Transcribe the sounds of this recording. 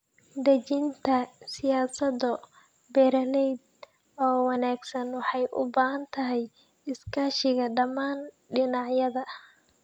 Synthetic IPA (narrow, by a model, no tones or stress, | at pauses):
d̪ɐt͡ʃɪnt̪ʰɐsɪjaːsɐdɔ | bɛːɾɐlɛjd̪̚ | ɔːwɑnaːɡsɐnwɑħɑjʔʊ̰baːhɐnt̪ʰɐɦɛj | ɪskʰaːʃɪɣɐɖɐmaːn | ɖɪnɑʕjɐðɐ